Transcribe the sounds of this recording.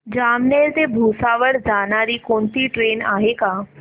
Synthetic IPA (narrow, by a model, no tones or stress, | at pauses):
d͡ʑamneɾt̪ebʱusaʋəɾd͡zañaɾiːkoɳt̪iːʈɾenaɦeka